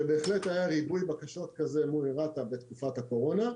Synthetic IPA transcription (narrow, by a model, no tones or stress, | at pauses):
ebe̞ːχlet̪ajaʁibujbakaʃo̞tkazemuiʁat̪abet̪kufatako̞ʁo̞na